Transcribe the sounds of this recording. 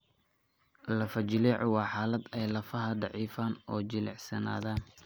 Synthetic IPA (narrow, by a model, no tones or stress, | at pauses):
lɐfɐt͡ʃɪlɛːʕɔwɑːħɑːlɐd̪ɛjlɐfɐɦɐd̪ɑʕiːfaːnɔːt͡ʃɪlɛ̰ʕsɐna̰ːðaːn